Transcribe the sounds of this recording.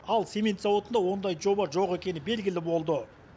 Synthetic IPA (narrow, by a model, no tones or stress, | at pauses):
ɑlˠsʲe̞me̞nt̪sɑwot̪ənd̪ɑwo̞nd̪ɑjʒo̞bɑʒo̞qe̞kʲe̞nɪbe̞lɡʲɪlɪbo̞lˠd̪ə